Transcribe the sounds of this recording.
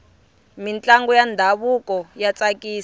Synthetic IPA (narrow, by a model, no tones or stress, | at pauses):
mint͡ɬʼaŋɡɔjandʱaβukɔjat͡sakiː